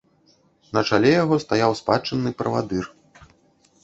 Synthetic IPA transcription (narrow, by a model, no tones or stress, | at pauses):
nɐt͡ʂalʲɛjaɣɔst̪ajawspat͡ʂɨnːɨpɾɐva̰d̪ɨr